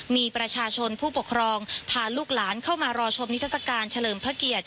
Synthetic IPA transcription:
miː˧pɾa˧t͡ɕʰaː˧t͡ɕʰo˧npʰuː˥˩po˨˩kʰːɾɔː˧ŋt̪ʰaː˧luː˥˩k̚laː˩˦nkʰa˥˩wmaː˧ɾɔː˧t͡ɕʰo˧mni˦˥t̪ʰa˥˩sa˧kaː˧nt͡ɕʰa˧lɤː˨˩mpʰa˦˥ki˨˩ət̪̚

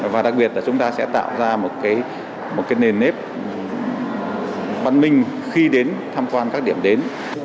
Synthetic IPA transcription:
vaː˨˩ɗa˨˩k̚ɓi˨˩ət̚laː˨˩t͡ɕʊ˨˦ŋ͡mt̪aː˧sɛ̰˧˥t̪a̰ː˧˨wzaː˧mo˨˩t̚kaː˨˦j | mo˨˩t̚kaː˨˦jne˨˩nːe˦˥p̚ | ɓa˧nmï˧ŋ̟xi˧ɗe˨˦nt̪ʰaː˧mkwaː˧nkaː˦˥k̚ɗi˧˩əmɗe˨˦n

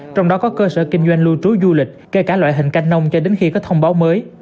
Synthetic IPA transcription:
t͡ɕɔ˧wŋ͡mɗɔ˨˦kɔ˨˦kəː˧sə̰ː˧˩kï˧ŋ̟zwa˧jŋ̟lu˧t͡ɕu˨˦zu˧lï˨˩k̟̚ke˧˩kaː˧˩lwa̰ː˧˨jɦï˨˩ŋ̟ka˧jŋ̟nə˧wŋ͡mt͡ɕɔ˧ɗe˨˦nxi˧kɔ˨˦t̪ʰə˧wŋ͡mɓaː˨˦wməː˨˦j

